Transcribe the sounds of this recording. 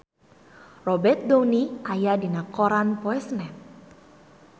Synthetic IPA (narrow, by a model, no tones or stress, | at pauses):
rɔbɛrt̪̚downiʔajadinakɔɾanpɔɛsnɛt̪̚